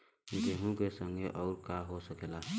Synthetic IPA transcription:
it̪eɦũkesəŋɡeʔɔʊɾkaɦosəkela

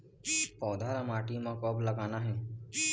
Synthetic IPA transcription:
pɔːd̪ʱaɾamaːʈimãkɔːbləɡaːnaɦe

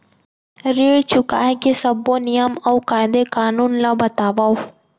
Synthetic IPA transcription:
ɾiɭt͡ʃʊka̰ːekesɐbonijəmawkaːɪd̪ekaːnuːnlabɐt̪aːʋao

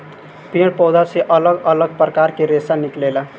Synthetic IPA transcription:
piɽpɔd̪ʱaseʔələɡələɡ̚pɾəkaɾkeɾesaniklela

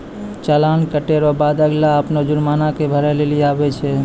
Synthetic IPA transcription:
t͡ʃəlankəʈeɾɔbad̪əɡlaəpnod͡ʒuɾmanakebʱəɾɛleliabɛt͡ʃʰɛ

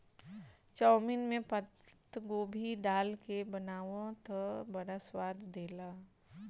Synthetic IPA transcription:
t͡ʃɔːmɪnmẽpət̪ɡoːbʱiɖaːlkebənaːʋõt̪əbɐɽaswaːd̪ʱd̪eːlaː

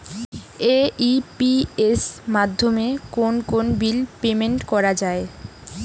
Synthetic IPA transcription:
eipiesmad̪ʱːomekonkonbilpemeɳʈkɔɾad͡ʑae

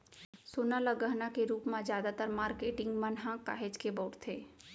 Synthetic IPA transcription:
soːnaləɡəɦnakeɾuːpmãzjaːd̪at̪əɾmaːɾkeːʈɪ̃ŋɡmə̃nɦãka̰ːɦed͡ʒkebɔːʈt̪ʰeː

